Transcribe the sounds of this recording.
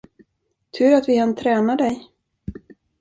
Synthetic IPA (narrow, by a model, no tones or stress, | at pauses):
t̪ʰʉ̟ːɾat̪vɪkant̪ʰɾɛːnad̪ɛj